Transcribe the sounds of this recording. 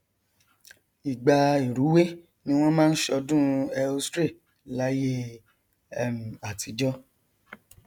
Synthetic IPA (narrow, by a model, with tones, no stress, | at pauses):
i˨ɡ͡ba˨i˨ɾu˨˦we˦ | nĩ˦w̃ɔ̃˦mãː˦n̩˦ʃɔ˧dũ˦ɛ˧o˦stɾe˦˨ | la˨˦je˦ | ɛ˦˨m˨a˨ti˨˦d͡ʒɔ˦